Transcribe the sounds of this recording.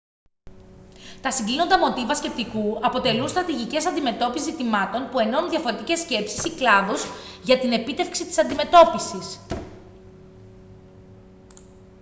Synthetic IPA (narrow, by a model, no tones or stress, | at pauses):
t̪ɐsiŋɡlino̞nd̪ɐmo̞t̪ivɐsce̞p̚t̪ikuɐpo̞t̪e̞lunst̪ɾɐt̪iʝice̞sɐnd̪ime̞t̪o̞pisizit̪imɐt̪o̞npue̞no̞nunðʝɐfo̞ɾe̞t̪ice̞sce̞psi̥siklɐðozʝɐt̪ine̞pit̪e̞fksit̪i̥sɐnd̪ime̞t̪o̞pisis